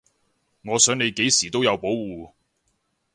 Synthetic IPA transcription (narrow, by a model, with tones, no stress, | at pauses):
ŋɔː˨˧sœː˨˥ŋne˨˧jke˨˥jsiː˨˩t̪o˥wjɐ˨˧wpo˨˥wwuː˨